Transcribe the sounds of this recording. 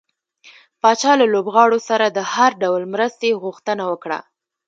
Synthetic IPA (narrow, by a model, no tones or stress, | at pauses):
pɑt͡ʃɑlalobɣɑɽosaɾad̪əhaɾɖawlmɾəst̪eɣuxt̪ənawəkɽa̰